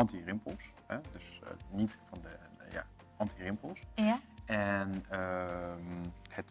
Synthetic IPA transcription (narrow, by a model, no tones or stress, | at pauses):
ɑntirɪmplˠshɛdøsnitfɑndəja̰ | ʔɑntirɪmpəl̩ˠsjɛnəmhət